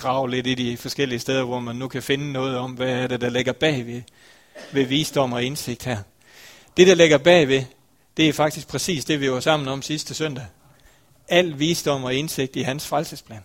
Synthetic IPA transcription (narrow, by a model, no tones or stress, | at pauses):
ɡ̥ʁɑ̈ʊ̰le̝d̥id̥ifɒ̽sɡ̥el̰iəsd̥eð̞ˠɐʋɒmænːukʰæfe̝nənɔ̽ːð̞̩ˠɒ̽mʋæːɐɾ̥e̝d̥ɑ̈leɡ̥ɐb̥ɛ̰ːʋe̝ | ʋe̝ʋiːsd̥ɒ̽m̰ɒ̽e̝nse̝ɡ̥̚d̥hæɐ̰ | d̥e̝ɾ̥ɑ̈le̝ɡ̥ɐb̥ɛ̰ːʋe̝ | d̥e̝æɐfɑ̈ɡ̥d̥isɡ̥̚pʰʁɛsḭːsd̥e̝ʋiʋɑ̈sɑ̈m̰n̩ɒ̽msisd̥əsœn̰d̥æ | æl̰ʋiːsd̥ɒ̽m̰ɒ̽e̝nse̝ɡ̥̚d̥iænsfʁalsəspʰlɛ̰ːn